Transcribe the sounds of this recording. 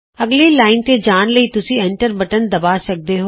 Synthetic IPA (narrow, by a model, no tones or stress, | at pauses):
əɡlelaːɪnt̪ed͡ʒaːnləiːt̪ʊsĩɛ̃ɳʈəɾbəʈənd̪əbaːsək̚d̪eɦoː